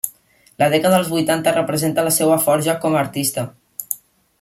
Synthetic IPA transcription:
lað̞ɛkaðəəlˠzβujt̪ant̪ərəpɾəzent̪əlasɛwafɔɾʒakɔməɾt̪ist̪ə

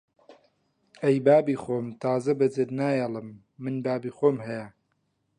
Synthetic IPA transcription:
ɐjbaːbiːxoːmt̪ʰaːzɐbɐd͡zɨd̪naːjalɨmː | ɨnbaːbiːxoːmhɐjɐ

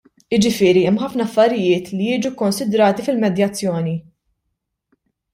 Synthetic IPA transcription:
ɪd͡ʒɪfɪːɾiɛmːħɐfnɐɐfːɐɾɪjɪːt̪lijɪːd͡ʒukɔnsɪd̪ɾɐːt̪ifɪlmɛd̪jɐt͡sːjɔːni

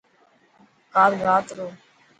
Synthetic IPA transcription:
kaːlɡaːt̪ɾoː

